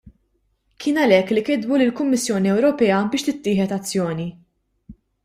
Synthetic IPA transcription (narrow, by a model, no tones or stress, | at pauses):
kʰɪːnɐlɛkːlikɪd̪bulɪlkʊmːɪsːjɔːniɛwɾɔpɛːɐbɪːʃt̪ɪt̪ːɪːħɛt̪ɐt͡sːjɔːni